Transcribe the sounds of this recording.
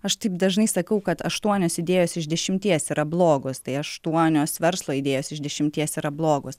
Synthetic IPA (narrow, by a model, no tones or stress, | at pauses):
ɐʃt̪ɐɪpd̪ɐʒnɐɪsɐkɐʊkɐt̪ɐʃt̪uɔnʲoːsɪd̪ʲeːjoːsɪʒd̪ʲɛʃʲɪmʲt̪ʲiɛsɪɾʔɐblˠoːɡoːst̪ɐɪɐʃt̪uɔnʲoːsʋʲɛɾslˠoːɪd̪ʲeːjoːsɪʒd̪ʲɛʃʲɪmʲt̪ʲiɛsiɾɐblˠoːɡoːs